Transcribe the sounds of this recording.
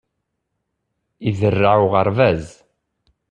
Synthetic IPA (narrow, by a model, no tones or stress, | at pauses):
iðərːaʕʊʁəɾˤvæz